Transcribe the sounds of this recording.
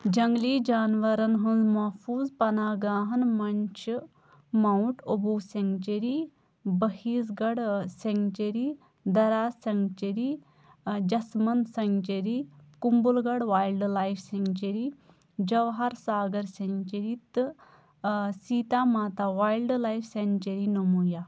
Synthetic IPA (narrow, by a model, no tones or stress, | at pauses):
d͡ʒɐŋɡliːd͡ʒaːnʋɐɾɐnɦunzmɐfuːzpɐnaːɡaːɦɐnmɐɲt͡ʃʰ | mɐwʈobuːsɐŋt͡ʃɐɾiː | bɐhiːsɡɐɽseŋt͡ʃɐɾiː | d̪ɐɾaːsɐŋɡt͡ʃɐɾi | d͡ʒɐsmɐnsɐŋt͡ʃɐɾikumbulɡɐɽʋaːjlɖlaːjfseŋɡt͡ʃɐɾiː | d͡ʒɐʋɦɐɾsaːɡɐɾsent͡ʃɐɾiːt̪ɨ | siːt̪aːmaːt̪aːʋaːjlɖlaːjfʰsent͡ʃɐɾinɐmuːjaː